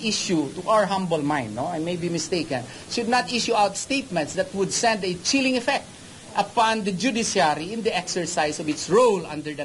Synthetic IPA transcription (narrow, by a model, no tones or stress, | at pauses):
iʃjut̪uʔawəɹɦãmbəlmãj̃nd̪noajmejbimɪst̪eɪkɐ̃n | ʃʊd̪̚nat̪ʔɪʃuawt̪st̪ejt̪̚mɛ̃nt̪sd̪ɐt̪wʊd̪sɛ̃nd̪ɛt͡ʃɪlɪ̃ŋɛfɛk̚t̪̚ | ʔɐpɑ̃nd̪ɐd͡ʒud̪ɪsjaɾiɪ̃nd̪ɐʔɛksɛɹsajsɔvɪt̪sɹowlɐ̰̃nd̪əɹd̪